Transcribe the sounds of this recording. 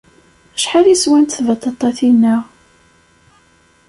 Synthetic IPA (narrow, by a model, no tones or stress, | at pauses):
əʃħaliswænt̪θvɑt̪ˤːɑt̪ˤːɑθinːəʁ